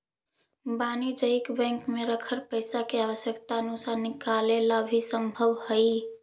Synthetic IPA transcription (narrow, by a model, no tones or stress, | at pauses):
banid͡ʒəjkbɛ̃ŋkmeɾəkʰəɾpəjsakeaβəsjəkt̪aənusanikalelabʱisəmbʱəʋhəj